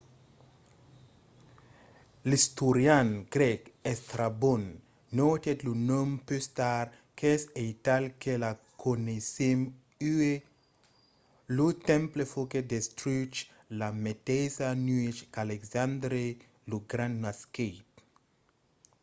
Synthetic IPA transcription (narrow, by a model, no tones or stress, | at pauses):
list̪uɾjanɡ̥ɾɛkest̪ɾabonː | ot̪et̪lunompyst̪aɾ | keesejt̪alkela | kʰonesem | ye | lut̪ɛ̃mplefoked̪est̪ɾut͡ʃ | lamet̪esanuit͡ʃkaleksãnd̪ɾe | luɡɾãnnasket